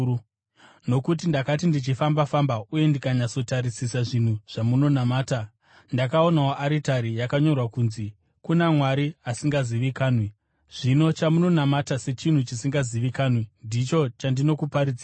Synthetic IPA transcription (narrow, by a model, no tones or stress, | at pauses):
u | no̞kutindakatindit͡ʃifambafambauje̞ndikaɲat͡so̞taɾisisaʐin̤uʐ̥amuno̞namaːta | ndakao̞naoʔaɾitaɾijakaɲo̞rwakunzi | kunamwaɾiasiŋɡaziʋikaːnwe | ʐ̥ino̞t͡ʃamuno̞namatase̞t͡ʃin̤ut͡ʃisiŋɡaziʋikaːnwendit͡ʃo̞t͡ʃandino̞kupaɾid͡ziːra